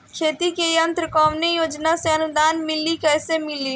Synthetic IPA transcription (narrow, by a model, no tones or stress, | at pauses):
kʰeːt̪ikejɐ̃nt̪ɾəkɔːmnejoːd͡ʒnaseɐnʊd̪aːnmɪlikɛːsemɪliː